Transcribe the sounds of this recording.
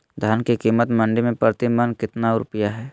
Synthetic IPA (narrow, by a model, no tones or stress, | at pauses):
d̪ʱaːnkikiːmət̪mɐ̃ɳɖimẽpɾət̪ɪmənkɪt̪naɾʊ̰pjaɦɛː